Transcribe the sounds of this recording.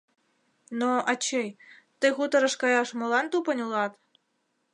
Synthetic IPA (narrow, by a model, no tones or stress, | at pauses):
noɑt͡ɕejt̪ɨɣut̪ɤ̆ɾɤ̆ʂkɑjɑʂmolˠɑnt̪upɤ̆nʲulˠɑt̪